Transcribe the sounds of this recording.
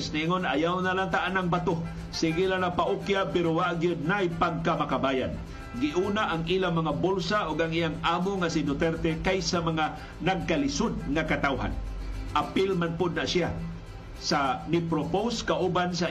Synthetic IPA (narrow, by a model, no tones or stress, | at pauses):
sniŋonajawnalant̪aʔanaŋbat̪o | sɪɡilanapaʔʊkjapɛɾowaʔɡijʊd̪̚najpaɡ̚kamakabajan | ɡɪʔuːnaʔaŋilamaŋabʊlsaʔʊɡaŋijaŋaːmoŋasɪnʊt̪ɛɾt̪ɛkajsamaŋa | naɡ̚kalɪsʊd̪̚ŋakat̪awɦa̰nʔapɪlmanpʊd̪̚naʔsia | sanɪpɾopowskaʔubansa